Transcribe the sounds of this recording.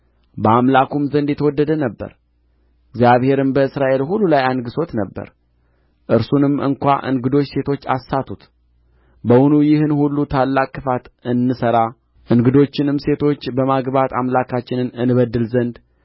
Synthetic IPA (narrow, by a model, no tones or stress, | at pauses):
bəamlakumzənd̪jɛt̪ʰəwɔd̪ːəd̪ənəbːə̰ɾ | ɪɡzjaβhe̞ɾɨmbəɨsɾaʔe̞lɦulːulajanɡɨso̞t̪nəbːə̰ɾ | ʔɨɾsunɨmɨ̰ŋkʷa̰ʔɨ̰ŋɡɨd̪o̞t͡ʃːse̞t̪ʰo̞t͡ʃːa̰sːat̪ʰut̪ | bəwunujɪhɨnhulːut̪ʰalːakʼːɨfat̪ɨnːɨsəɾa | ʔɨŋɡɨd̪o̞t͡ʃːɪnɨmse̞t̪ʰo̞t͡ʃːbəmaɡβat̪amlakʰat͡ʃːɪnɨnɨnɨβəd̪ːɨlzənd̪